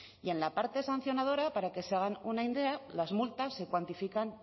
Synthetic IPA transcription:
ie̞nlapaɾt̪e̞san̟θjo̞nað̞o̞ɾapaɾake̞seaɣ̞anunaind̪e̞alazmult̪asːe̞kwant̪ifikan

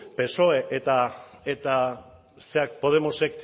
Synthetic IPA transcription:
pe̞so̞e̞ʔet̪aet̪a | seak̚po̞ð̞e̞mose̞k̚

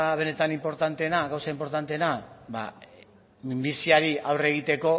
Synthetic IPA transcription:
β̞e̞ne̞t̪animpo̞ɾt̪ant̪e̞ːnaɣawsaimpo̞ɾt̪ant̪e̞ːnaba̰ | mimbisiaɾiawre̞ɣ̞it̪e̞ko̞

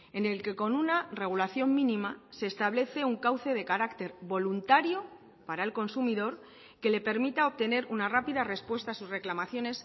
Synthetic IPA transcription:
e̞ne̞lke̞ko̞nunare̞ɣ̞ulaθjo̞mmĩnĩmase̞ːst̪aβle̞θe̞uŋkawθe̞ð̞e̞kaɾakt̪e̞ɾbo̞lunt̪aɾjo̞ | paɾae̞lko̞nsumiðo̞ɾ | ke̞le̞pe̞ɾmit̪ao̞p̚t̪e̞ne̞ɾunarapiðare̞spwe̞st̪aːsusre̞klamaθjo̞ne̞s

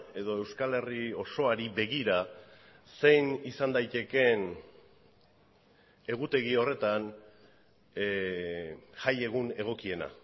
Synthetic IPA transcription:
e̞ðo̞e̞wskale̞rio̞so̞aɾibe̞ɣiɾa | se̞jnisand̪ajt̪e̞ke̞n | e̞ɣ̞ut̪e̞ɣio̞re̞t̪an | ʝaje̞ɣ̞une̞ɣ̞o̞kie̞na̰

